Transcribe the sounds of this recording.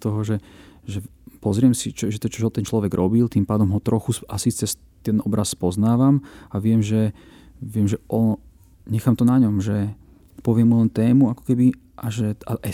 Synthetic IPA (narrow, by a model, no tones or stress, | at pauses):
t̪ɔɦɔʒɛʒɛ | pɔzɾɪɛmsit͡ʃɔʒɛt̪ɔt͡ʃɔɦɔt̪ɛnt͡ʃlɔʋɛɡɾʔɔbilt̪impaːd̪ɔmɦɔt̪ɾɔxusʔasit͡sɛs | t̪ɛnɔbɾʔasːpɔznaːʋamaʋɪɛmʒɛ | ʋɛmʒɛʔɔn | ɲɛxaːmt̪ɔnaɲɔmʒɛ | pɔʋɪɛmːulɛnt̪ɛːmuakɔ̥kɛbi | ʔaʒɛaʔɛ